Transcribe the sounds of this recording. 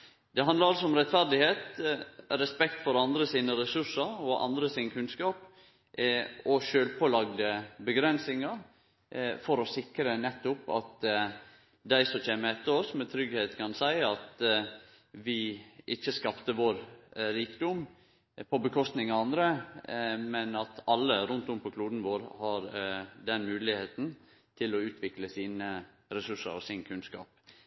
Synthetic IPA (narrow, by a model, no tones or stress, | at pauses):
d̪ɛɦɑnd̪ləɾɑlsɔɔmɾɛt̪fæɾd̪ɪheːt̪ | ɾɛspɛkt̪fɔɾɑnd̪ɾəsiːnəɾɛsʉʂəɾɔʔɑ̰nd̪ɾəsiːnəkʰʉnskɑːp | ɔʃøːlpʰoːlɑɡd̪əbəɡɾɛnsɪŋɑɾ | fɔɾɔsɪkɾənɛt̪ːʊpɑ̰t̪ | d̪æɪsɔt͡ʃeːməɛt̪ːəɔsmɛt̪ʰɾʏɡheːt̪kʰɑnsæɪɑt̪ | ʋɪʔɪçːəskɑpt̪əʋoːɾɾiːkd̪ʊm | pʰɔbəkʰɔst̪nɪŋɑɑnd̪ɾə | mɛnɑt̪ɑlːəɾʊnt̪ʊmpʰɔkʰluːd̪n̩ʋoːɾhɑɾd̪ɛnmʉːlɪheːt̪n̩ | t̪ʰɪlɔʉːt̪ʰʋɪkləsiːnə | ɾɛsʉʂːə̰ɾɔ̰sɪnkʰʉnskɑ̰ːp